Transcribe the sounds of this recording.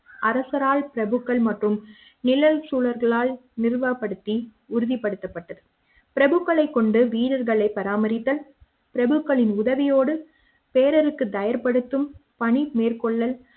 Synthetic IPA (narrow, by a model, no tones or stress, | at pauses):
ʔɐɾɐsɐɾaːɭpɪɾɐbɯkːɐɭmɐʈrɯm | nɪlɐlsuːɭɐɾɣɐɭaːlnɪrʋɐpːɐɽɯt̪ːi | ʊɾɯðɪpːɐɽɯt̪ːɐpːɐʈːɐðɯ | pɪɾɐbɯkːɐɭɐɪkːɔɳɖɯʋiːɽɐɾɣɐɭɐɪpːɐɾaːmɐɾɪt̪ːɐl | pɪɾɐbɯkːɐɭɪnʊðɐʋɪjoːɽɯ | peːɾɐɾɯkːɯt̪ɐjɐɾpɐɽɯt̪ːɯmpɐɳimeːrkɔɭːɐl